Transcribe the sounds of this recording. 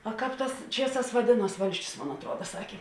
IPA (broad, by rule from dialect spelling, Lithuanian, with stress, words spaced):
oː ˈkɑːp ˈtɑːs ˈt͡ʃʲiɛˌsɑːs ʋɐˈdʲeːˌnuɔs ˈʋɐlʲsʲt͡ʃʲʊs ˈmoːn ɐtˈruɔdɐ ˈsɑːkʲeː